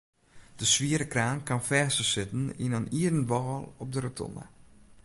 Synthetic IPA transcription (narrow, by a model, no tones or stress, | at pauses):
d̥əsʋiəɾəkraːnkanfɛːsəsɪtən̩ḭnəniədənʋɔːlˠɔp̚dərətʰɔ̰nə̰